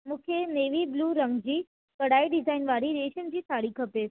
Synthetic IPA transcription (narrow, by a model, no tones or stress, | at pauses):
mũkʰeneːʋibluːɾə̃ŋɡd͡ʑiː | kɐɽaːiɖɪzaːinʋaːɽiɾeʃənd͡ʑiːtʰaːɽikʰəpe